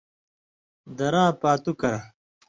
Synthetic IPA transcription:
d̪ɐɾãːpaːt̪ukɐɾɐ

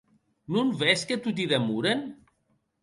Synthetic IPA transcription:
nunvɛsket̪ut̪̬iðemuɾen

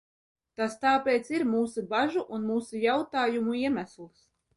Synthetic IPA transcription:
t̪ast̪aːpʲeːt̪siɾmuːsubaʒuʔunmuːsujawt̪aːjumuiɛmæslˠs

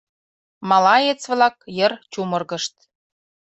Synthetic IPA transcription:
mɑlɑet͡sβlɑkjə̆rt͡ɕumɤrɣə̆ʃt̪

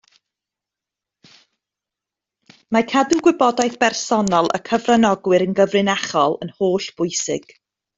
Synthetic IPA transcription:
makʰaduɡwɪbɔdajθb̥ɛrsɔnɔlˠə̰kʰəvranɔɡwɪɾənɡəvrɨnaχɔlˠə̰nhoːɬb̥ʊjsɪ̰ɡ̥

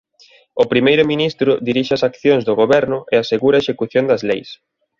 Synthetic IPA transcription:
ʊpɾimejɾʊminist̪ɾʊd̪iɾiʃɪɐsakθjoŋzðʊɣoβɛɾnʊʔɪaseɣuɾɐeʃekuθjond̪ɐzlejs

